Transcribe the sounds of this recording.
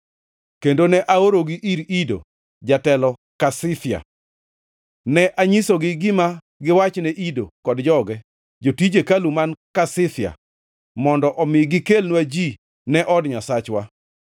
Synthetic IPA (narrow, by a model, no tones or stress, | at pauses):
kendonɛʔaoɾoɡɪʔiɾido̰ | d͡ʒatɛlɔ | kasɪθɪja̰ | nɛʔaɲisoɡɪɡɪma | ɡɪwat͡ʃnɛʔidokɔdd͡ʒɔɡɛ | d͡ʒotid͡ʒekalumankasɪθɪja̰ | mɔndɔʔɔmɪɡɪkelnwad͡ʒi | nɛʔɔdɲasat͡ʃwa